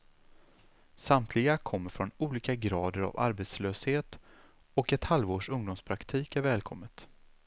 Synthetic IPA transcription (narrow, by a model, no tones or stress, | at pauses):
samt̪ʰlɪɡakʰɔmːəɾfɾɔnuːliːkaɡɾɑːd̪əɾa̰va̰ɾbet̪sløːsheːt̪ | ɔkɛt̪halvoːʂɵŋd̪ʊmspʰɾakt̪ʰiːkæɾvɛːlkʰɔmːət̪